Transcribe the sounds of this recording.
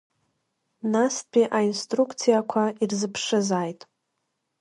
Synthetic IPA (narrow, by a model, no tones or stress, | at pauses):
naspʰʼiʔainstʼrukʰʼt͡sʰijakʷʰairzɨpʰʂɨzaːjtʼ